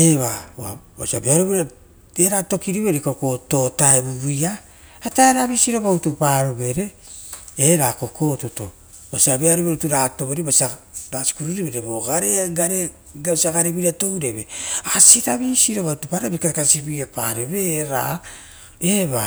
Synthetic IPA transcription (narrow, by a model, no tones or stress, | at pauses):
eβaua̰ba̰sia̰beaɾoβeɾa | eɾato̞kiɾiβeɾikokoto̞taebuβia | ataeɾaβisiɾo̞βautupaɾoβe̞ɾe̞ | eɾakoko̞ːtoto̞̰ | basiabeaɾoβeɾutuɾaːto̞βeɾibasia | ɾasi̥kuɾuɾiβeɾeboɡaɾeɡaɾe | ɡasiaɡaɾeβiɾiatowɾeβeasiɾaβisiɾo̞βautupaɾobikaɾkasibiapa̰ɾeβeːɾa̰ | eβa